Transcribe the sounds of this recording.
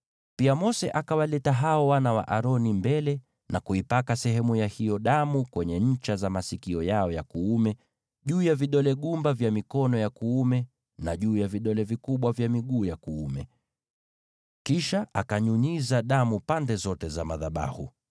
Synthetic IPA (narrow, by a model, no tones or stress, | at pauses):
piamɔsɛʔakawalɛtaɦaɔwanawa̰ʔaɾɔnimbɛlɛ | nʔakuipakasɛɦɛmujahijɔɗamukwɛɲɛɲ̩t͡ʃazamasikiɔjaɔjakuumɛ | ʄuːjaviɗɔlɛɠumbavjamikɔnɔjakuumɛ | naʄuːjaviɗɔlɛvikuɓwavjamiɠuːjakuumɛ | kiʃaʔakaɲuɲizaɗamupandɛzɔtɛzamaðaɓa̰hṵ